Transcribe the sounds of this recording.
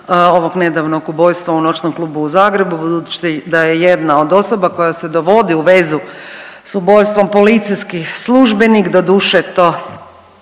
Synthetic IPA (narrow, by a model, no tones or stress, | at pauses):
oʋoɡne̞d̪aʋnoɡubo̞jst̪ʋauno̞t͡ʃnomklˠuːbuːzaːɡɾe̞bubud̪ut͡ʃ̪d̪ajejed̪naod̪o̞sobako̞jased̪oʋo̞d̪iuʋe̞zu | subo̞jst̪ʋo̞mpolit̪sijskislˠuʒbenikd̪od̪uʃet̪o